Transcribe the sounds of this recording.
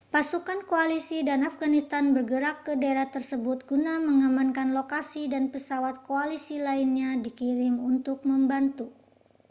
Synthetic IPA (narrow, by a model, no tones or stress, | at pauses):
pasukankoalisidanafɡanist̪anbərɡəɾakːədaeɾaht̪ərsəbʊt̪̚ɡ̥unaməŋamankanlokasidanpəsawat̪̚koalisilainɲadikiɾɪmunt̪ʊk̚məmbant̪u